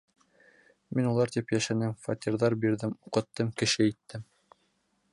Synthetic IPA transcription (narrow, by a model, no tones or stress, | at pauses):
minulˠɑɾt̪ipjæʃænɘmfat̪ʲiɾðɑɾbiɾðɘmuqɤ̆t̪ːɤmkɘ̆ʃɘit̪ːɘm